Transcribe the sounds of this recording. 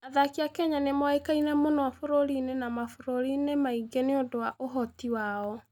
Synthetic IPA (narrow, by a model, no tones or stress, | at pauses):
aðakiakɛɲanemwekainɛmonɔwafoɾoɾinenamafoɾoɾinemaiɡeneodowaʔoɦɔtiwaːɔ